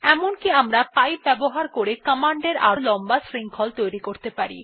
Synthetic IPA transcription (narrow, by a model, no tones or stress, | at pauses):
ɛmonkiamɾapajp̚bɛboɦaɾkoɾekəmaɳɖeɾʔa̰ɾolɔmbasɾiŋkʰɔlt̪ojɾikoɾt̪epaɾḭ